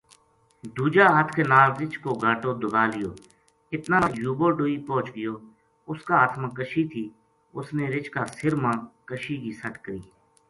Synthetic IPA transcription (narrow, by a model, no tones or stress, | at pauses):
d̪uːd͡ʒaːət̪ʰkeːnaːlɾɪt͡ʃkoːɡʱaːʈoːd̪ʊɡaːlɪjoː | ɪt̪nãːnãːjuːboːɖoːiːpɔ̃ːt͡ʃɡɪjoː | ʊskaːt̪ʰmə̃ːkəʃiːt̪ʰiː | ʊsneːɾɪt͡ʃkaːsɪɾmãːkəʃiːkiːsəʈkəɾḭː